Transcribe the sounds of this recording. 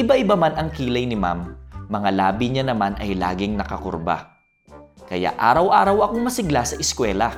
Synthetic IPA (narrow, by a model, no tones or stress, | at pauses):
ɪbaʔɪbamanʔɐŋkiːlɐjnɪma̰mːɐŋalaːbiɲanɐmanɐjla̰ːɡɪŋnɐkɐko̰ɾba̰ | kɐja̰ʔaːɾɐwʔaːɾɐwɐkoŋmɐsɪɡlasɐʔɪskwɛːlɐ